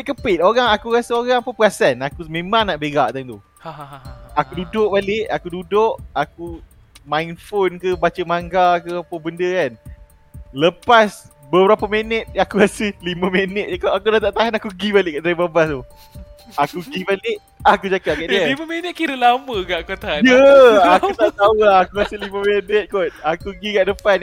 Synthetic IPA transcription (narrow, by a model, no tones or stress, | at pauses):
pʔ̚kəpɪt̪̚oɾaŋakuɣasəoɣaŋapapəɣasanakumẽmãŋnaʔbeɡaʔt̪aŋt̪u | haakududʊʔ̚balɪʔakududʊʔaku | majnfonkəbat͡ʃəmaŋɡakəapəbəndəkan | ləpas | bəbəɾapəmenət̪̚akuɾasəliməmenət̪̚akaʔak̬unat̪aʔt̪aɦanakuɡibalɪʔkaʔt̪ɾibabat̪u | akuɡibalɪʔ | akud͡ʒakaʔkaʔialiməmenət̪̚kiɾəlaməɡaʔkot̪aajəakut̪aʔt̪auakuɾasəliməmenət̪̚kot̪̚akuɡiɡaʔdəpan